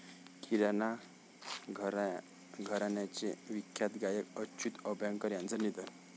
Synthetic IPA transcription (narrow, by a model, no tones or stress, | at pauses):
kʰiɾana | ɡʱɾ | ɡʱəɾanjat͡ɕeʋikʰjat̪ɡajəkəɕʰut̪əbʱjaŋkəɾjãnt͡sənid̪ən